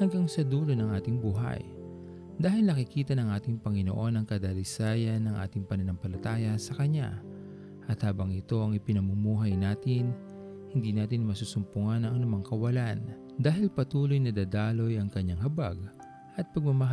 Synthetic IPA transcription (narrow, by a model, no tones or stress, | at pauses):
hɐŋɡaŋsɐd̪uːlonɐŋʔaːt̪ɪŋbuːɦɐ̰j | d̪aːhɪlnɐkɪkiːt̪ɐnɐŋʔaːt̪ɪŋpɐŋɪnoʔo̞nɐŋkɐd̪alɪsaːjɐnːɐŋʔa̰ːt̪ɪŋpɐnɐnɐŋpɐlɐt̪aːjɐsɐkɐɲa̰ | ʔɐt̪haːbɐŋɪt̪o̞ʔɐŋɪpɪnɐmumuːɦɐjnaːt̪ɪn | hɪnd̪iːnaːt̪ɪnmɐsuːsʊmpʊŋanɐŋʔɐnʊmaŋkɐwɐlan | d̪aːhɪlpɐt̪uːlo̞jnɐd̪aːd̪aːlo̞jɐŋkɐɲːaŋhɐbaɡ̚ | ʔɐt̪̚pɐɡ̚mɐmɐɦ